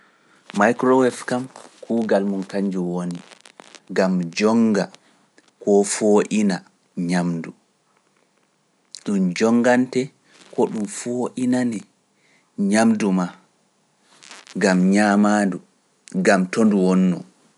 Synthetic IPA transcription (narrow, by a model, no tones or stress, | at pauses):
majkɾɔwɛfkamkʰuːɡalmunkaɲd͡ʒuwoni | ɡamd͡ʒɔŋɡa | kɔfoʔina | ɲamdu | ɗumd͡ʒɔŋːɡantɛ | kɔɗumfoʔinanɛ | ɲamduma | ɡamɲaːmaːndu | ɡamtonduwɔnːɔ̰